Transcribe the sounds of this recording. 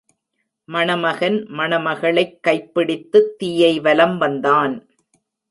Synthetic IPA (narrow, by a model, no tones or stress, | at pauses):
mɐɳɐmɐɣɐnmɐɳɐmɐɣɐɭɐɪkːɐɪpːɪɽɪt̪ːɯt̪ːiːjɐɪʋɐlɐmʋɐnd̪aːn